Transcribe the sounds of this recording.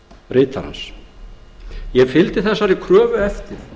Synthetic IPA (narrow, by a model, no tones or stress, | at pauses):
rɪːt̪ʰaɾa̰ns | jɛfɪlt̪ɪθɛsːaɾikʰɾœːvʏɛft̪ɪɾ̥